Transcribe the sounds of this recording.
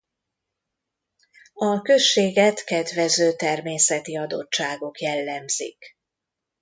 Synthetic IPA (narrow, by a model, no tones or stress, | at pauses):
ɒkø̞ʃːeːɡɛt̪kɛd̪ʋɛzøːt̪ɛrmeːsɛt̪iɒd̪o̰t͡ʃt͡ʃːaːɡo̞kjɛlːɛmz̥ḭk